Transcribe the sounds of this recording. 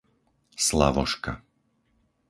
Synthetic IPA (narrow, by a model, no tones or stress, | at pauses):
sla̰ʋɔ̰ʃka̰